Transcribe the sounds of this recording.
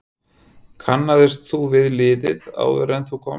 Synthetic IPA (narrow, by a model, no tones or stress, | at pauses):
kʰanːaðɪst̪θuvɪðlɪːðɪða̰ːwðʏɾɛnθukʰɔː